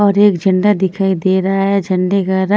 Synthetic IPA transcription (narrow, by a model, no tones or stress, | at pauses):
ɔːɾeːkd͡ʒɐ̃ɳɖad̪ɪkʰaːid̪eːɾɐaɦɛd͡ʒɐ̃ɳɖeɡaɾa